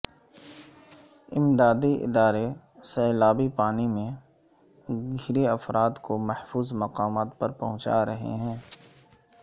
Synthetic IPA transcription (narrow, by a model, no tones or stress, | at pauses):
ɪmd̪aːd̪iʔɪ̰d̪aːɾe | sɛːlaːbipaːnimẽ | ɡʱɪɾeɐfɾʔaːd̪komɐhfuːzmɐqaːmaːt̪pɐɾpɐɦʊ̃t͡ʃa̰ɾɐɦḛɦɛ̃ː